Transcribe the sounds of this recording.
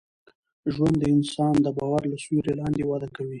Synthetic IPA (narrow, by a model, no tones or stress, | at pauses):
ʒwand̪ːəɪnsɑnd̪əbɑwaɾlaswuɾelɑnd̪ewɑd̪akawi